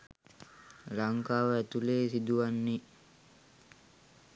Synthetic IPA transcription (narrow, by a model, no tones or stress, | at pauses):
laŋkaːʋəæt̪uleːsid̪uʋanːi